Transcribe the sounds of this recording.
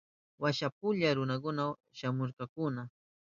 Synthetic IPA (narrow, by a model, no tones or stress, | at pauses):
waʃap̚ʊʎaɾʊnak̬ʊnaw | ʃamʊɾkɑkʊna